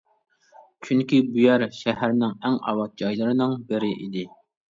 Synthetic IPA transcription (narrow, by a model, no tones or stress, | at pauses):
t͡ʃʰyŋkʲibujɛɾʃɛhæɾnɪŋɛŋɑ̰wɑt̪̚d͡ʒɑjlˠɨɾɨnɨŋbɪɾɪʔḭd̪ɪ